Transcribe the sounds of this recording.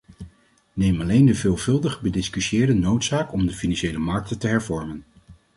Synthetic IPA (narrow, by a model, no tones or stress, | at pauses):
nejmɑlejndəvɪːlˠvɵlˠdəχbədɪskysɪːɹdənowtsaːkɔmdəfinɑnʃejləmɑɹk̚tətəɦɛɹvɔɹmən